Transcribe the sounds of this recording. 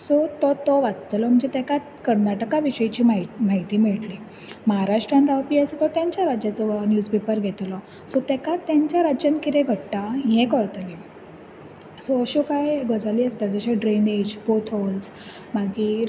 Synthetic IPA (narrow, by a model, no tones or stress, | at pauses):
sɔt̪ɔt̪ɔʋat͡st̪lɔm̤əɳd͡zet̪ɛkat̪kəɾnaʈəkaʋiɕəjt͡ɕiːmaimaɦit̪iːmiɭʈli | məɦaɾaʂʈɾanɾawpiːaset̪ɔt̪jãɲt͡ɕjaɾad͡ʑjat͡sɔnjud͡zpepəɾɡʱet̪lɔ | sɔt̪ɛkat̪ːjaɲt͡ɕjaɾad͡ʑjankit̪ẽɡʱəɽt̪ajɛ̃kəɽt̪le | sɔəɕokajɡəd͡zaliːəst̪ad͡zəɕaɖɾened͡ʑbot̪ʰɔls | maɡi